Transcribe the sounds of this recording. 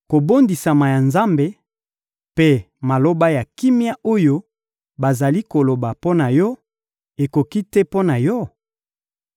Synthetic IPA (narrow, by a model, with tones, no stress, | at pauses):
ko˨bo˦ndi˨sa˨ma˨ja˨nza˦mbe˦ | pe˦ | ma˨lo˦ba˦ja˨ki˦mi˦a˦o˦jo˦ | ba˨za˨li˦ko˨lo˨ba˨po˦na˨jɔ˦ | e˨ko˨ki˦te˦po˦na˨jɔ˦